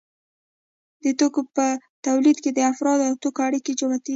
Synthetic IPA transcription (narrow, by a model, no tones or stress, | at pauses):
d̪ət̪okopət̪awlid̪ked̪əafɾɑd̪awt̪okoaɽiked͡ʒamat̪i